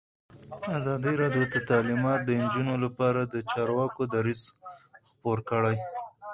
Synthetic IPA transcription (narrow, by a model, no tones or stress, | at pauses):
azɑd̪iɾɑɖjot̪ət̪ɑlimɑt̪̚d̪ənd͡ʒunolapɑɾad̪ət͡ʃɑɾwɑkod̪aɾizxpoɾkəɽaj